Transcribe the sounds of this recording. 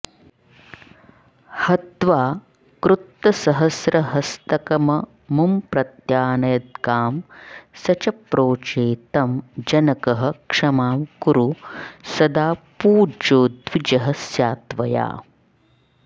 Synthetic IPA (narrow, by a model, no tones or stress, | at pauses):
hɐt̪ʋaː | kɾut̪ːɐsɐɦɐsɾɐɦɐst̪ɐkɐmɐ | mumpɾɐt̪jaːnɐjɐd̪̚ɡaːmsɐt͡ʃɐpɾoːt͡ʃeːt̪ɐmd͡ʒɐnɐkɐɦɐ̆kʂɐmaːmkuɾusɐd̪aːpuːd͡ʒoːd̪ʋid͡ʒɐɦɐsjaːt̪ʋɐja̰ː